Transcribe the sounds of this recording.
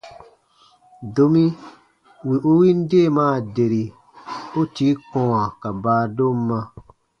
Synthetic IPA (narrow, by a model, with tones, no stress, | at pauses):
do˧mĩ˦ | wi˨ʔo˦wi˦n̩˦de˦˨mãː˦˨de˨ɾi˨ | o˦ti˦kɔ̃˧wã˨ka˨baː˨˦˨do˦m̩˦mã˧